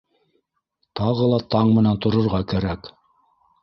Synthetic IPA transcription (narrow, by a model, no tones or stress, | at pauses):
t̪ɑʁɤlˠɑt̪ɑɴmɘ̆nænt̪ŏɾŏɾʁɑkæɾæk